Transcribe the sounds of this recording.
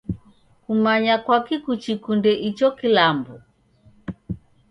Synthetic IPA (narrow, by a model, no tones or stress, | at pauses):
kumaɲakwakikut͡ʃikundɛʔit͡ʃɔkilambu